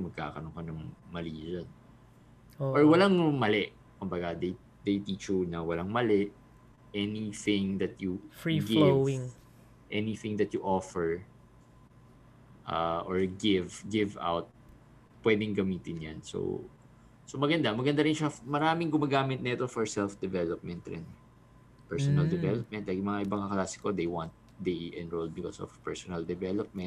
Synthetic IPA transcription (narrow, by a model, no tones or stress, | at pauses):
mɐɡ̚ka̰ːkɐnoŋkɐnɐŋmɐliːzɐn | ʔɔɹwɐlaŋmɐlɛʔ | kʊmbɐɡad̪ɐj | d̪ɐjt̪iːt͡ʃʊnɐwɐlaŋmɐlɛʔ | ʔɛniθɪ̃ŋd̪ɐt̪̚jufɹiɡɪvŋ | ʔɛniθɪ̃ŋd̪ɐt̪̚jʊʔofɛɹ | ʔa̰ʔoɹɡɪvɡɪva̰wt̪̚ | pːwɛːd̪ɪŋɡɐmiːt̪ɪnjanso̰ | somɐɡɐnd̪amɐɡɐnd̪aɾɪnʃɐmɐɾaːmɪŋɡʊmaɡaːmɪt̪̚nɐɛt̪ofɔɹsɛlfd̪ɛvɛlop̚mɛnt̪ɾɛ̰nɛ | pɛɹsɔnɐld̪ɛvɛlop̚mɛ̃nt̪̚lakjʊŋmɐŋaʔɪbɐŋaklaːsɪ̥kod̪ejwant̪̚ | d̪ejʔɛ̃nɹol̚bɪkosɔ̰v̥pɛɹsɔnɐld̪ɛvɛlop̚mɛ̃nt̪̚